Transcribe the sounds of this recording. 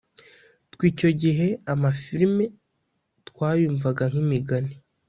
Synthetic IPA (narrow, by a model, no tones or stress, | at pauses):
tkwiːco̞ɟiɦe̞amafiɾme̞ | tkwaːjuːɱvaɡaŋ̥himiɡane